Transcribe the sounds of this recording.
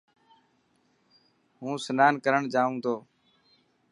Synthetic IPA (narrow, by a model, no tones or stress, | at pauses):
ɦũːsənaːnkəɾəɳd͡ʒaːʋũːt̪ʰoː